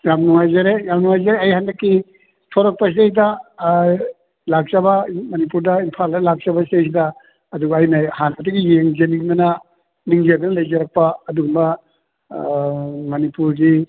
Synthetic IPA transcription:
jamnuŋajzaɾejamnuŋajzaɾeɐjhandɐkːi | tʰoɾɐk̚pɐs̬esidɐ | lak̚zɐbɐmɐnip̬uɾdɐinpʰaldɐlak̚zɐbɐsiejs̬idɐː | duɡːjnɐhanɐtɐɡijeŋd͡ʒenikmɐnɐ | niŋzedɐnɐlɐjd͡ʒɐɾɐk̚paːduɡumbɐ | mɐnipuɾdi

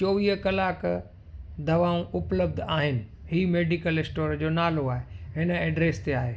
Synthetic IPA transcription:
t͡ɕoːʋiːɦəkɐlaːk | d̪ɐʋaːũʔʊpləb̚d̪ʱaːɦɪnɪ̆ | ɦiːmeːɖikəlɪsʈoːɾd͡ʑoːnaːloaːɦeɦɪnəɛːɖɾeːst̪eaːɦeː

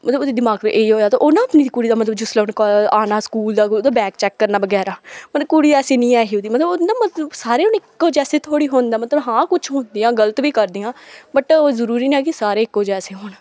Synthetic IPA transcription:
mət̪ləboːd̪iːd̪ɪmaːɡteʔeːiːɦoːjaːt̪aːʔonãːəpniːd̪iːkuːɽiːd̪aːmət̪ləbd͡ʒʊsleːʊnkaːnaːskuːld̪aːkːd̪aːbɛːk̚t͡ʃɛːkːəɾnaːbəɡɛːɾaːmət̪ləbkuːɽiːd̪ɛːseːnĩːɛːɦiːod̪iːmət̪ləbnamət̪bsaːɾeːʊːnɪkːoːd͡ʒɛːseːt̪ʰoːɽiːɦoːnd̪aːmət̪ləbɦãːkʊt͡ʃʰɦoːnd̪iːãːɡələt̪ʋiːkəɾd̪iːãːbəʈːzəɾuːɾiːnɛːkɪsaːɾeːɪkːoːd͡ʒɛːseːɦoːn

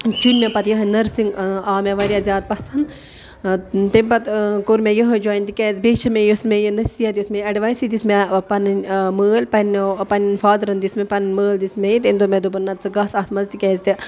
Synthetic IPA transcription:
t͡ʃunʲmʲepɐt̪jɐɦɐnʲnɐɾsiŋɡaːmeʋɐɾʲijazʲjaːd̪̚pɐsɐnd̪ | t̪emʲpɐt̪koɾmʲejəɦəd͡ʒoːjnʲt̪ikʲɛːzbeːt͡ʃʰɐmejosmejinɐsijɐt̪josmeɐɖiʋaːjsid̪ismepɐnməːlpɐnpɐnʲfaːd̪ɾɐnd̪ismepɐnməːld̪ismʲejit̪end̪omed̪obɐnːɐt̪̚t͡sɨɡɐsat̪mɐzt̪ikʲɛːzt̪ʲi

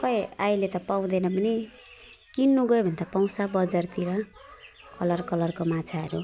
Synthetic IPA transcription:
pʌjajlet̪ʌpaw̃d̪enʌbʌni | kinːuɡʌebʱʌnd̪apaw̃sabʌd͡zʌrt̪iɾʌ | kʌlʌrkʌlʌrkomat͡sʰaɦʌɾu

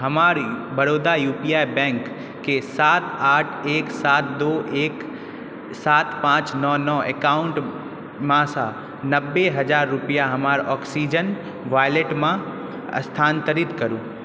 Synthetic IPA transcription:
ɦəmaːɾbɐɽoːd̪ajuːpijajbɛ̃ŋkː | esat̪aːʈʰeːksaːt̪d̪oek | saːt̪pãːt͡ʃnɔnɔḛkaʊɳʈ | mãsa | nəbːeɦɐd͡ʒaːɾːʊpijaɦɐmaːɾɔːksid͡ʒən | ʋajleʈmã | ə̰st̪ʰaːnt̪əɾɪt̪kəɾũː

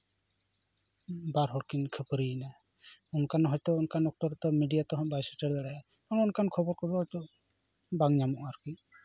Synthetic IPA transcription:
baɾɦɔɽkinkʰəpɾina | unkanɦɔjt̪ɔunkanɔk̚ʈɔɾt̪ɔmiɖijat̪ɔɦɔ̃ʔbajsəʈɛɽd̪ɛɽɛɛ | ɔ̃unkankʰɔbɔɾkɔbɔɦɔjt̪ɔʔ | baŋɲamɔʔaɾki

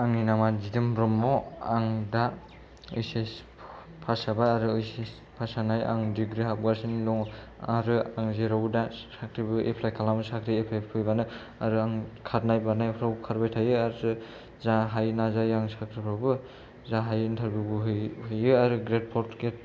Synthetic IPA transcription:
aŋinamazidɯmɾɔmːɔaŋda | ɯjses | pʰasabajaɾɯɯjses | pʰasanaja̰ŋdiɡɾiɦap̚ɡaɾsinlɔŋ | aɾɯaŋzeɾawdasakʰɾibɯʔepʰlajkʰalamɯsakʰɾiepʰajpʰɯjbanɯ | aɾɯaŋkʰat̚najbanajpʰɾawkʰaɾbajtʰajɯaɾɯ | zaɦajnazajaŋsakʰɾipʰɾawbɯ | zaɦajintʰaɾbjubɯɦɯhɯjɯaɾɯɡɾet̚pʰɔɾtket̚

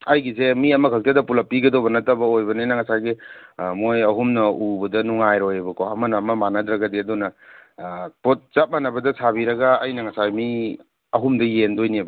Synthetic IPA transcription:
ɐjɡisemiɐmɐkʰɐk̚tʰadɐpulɐpːiɡɐdobɐnɐtɐbɐojbɐnenɐŋɐsaɡimojɐɦumnɐubɐdɐnuŋajɾojebɐkoɐmɐnɐːmɐmanɐdɾɐɡɐdiɐdunɐ | pot̚t͡ʃap̚manɐbɐdɐsʰabiɾɐɡaːjnɐŋɐsajmi | ɐɦumdɐjendojnibɐ

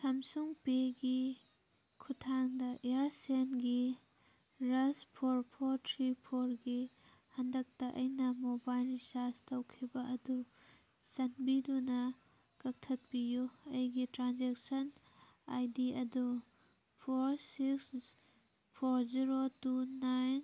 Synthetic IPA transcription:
sɐmsuŋpeɡi | kʰutʰaŋdɐʔeɾsenɡi | ɾɐspʰoɾpʰoɾtʰɾipʰoɾɡi | hɐndɐk̚tɐʔɐjnɐmobajlɾisastɐwkʰibɐʔɐdu | sɐnbidunɐ | kɐk̚tʰɐt̚bijuɐjɡitɾanzek̚sɐn | a̰jdiɐdu | pʰoɾsiks | pʰoɾziɾotunajn

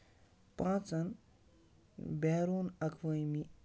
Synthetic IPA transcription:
pãːt͡sɐn | bɛːɾoːnɐkʰʋəjmi

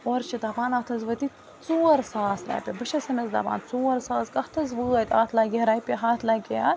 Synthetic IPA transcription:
oːɾt͡ʃʰid̪ɐbaːnɐt̪ʰɐzʋət̪i | t͡soːɾsaːsɾa̰ːpʲebɨʃɐsɐmezd̪ɐ̰ba̰ːnt͡soːɐɾsaːskɐht̪ʰɐzʋəːɐt̪ʲa̰ːt̪ʰlaːɡʲeɾaːjpʲeɦaːt̪ʰlaːɡʲeja

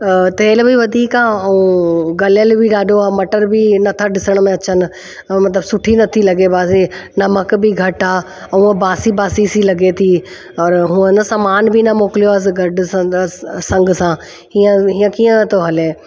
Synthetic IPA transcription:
t̪eːlbiʋɐd̪ʱiːkaːɐũɡɐljəlbʱiɗaːɗoaːmɐʈəɾbʱinɐt̪ʰaɖɪsəɽ̃mẽɐt͡ɕʰən̆ | mɐt̪ləbsʊʈʰinɐt̪ʰilɐɡebaːsinɐməkbʱiɡʱɐʈaː | ɐũːə̃baːsibaːsisilɐɡet̪ʰi | ɔːɾɦũːə̃nɐsaːmaːnbʱinɐmoːkɪlijoəs̬ɪɡʱɐɖ | sɐ̃ŋɡsãː | ɦiːə̃ɦiːə̃kiːə̃t̪oɦɐleː

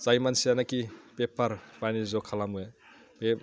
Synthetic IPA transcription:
sajmansianakipepaɾpanizɔkʰalamue | pe

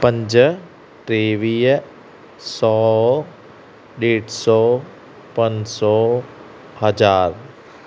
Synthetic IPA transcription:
pə̃ɲd͡ʒ | t̪ɾeːʋiː | sɔː | ɖeːʈsɔː | pənsɔː | həd͡ʒaːɾ

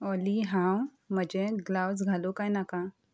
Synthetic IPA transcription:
ɔliɦãw | məd͡ʑeɡlaws̬ɡʱalokajnakã

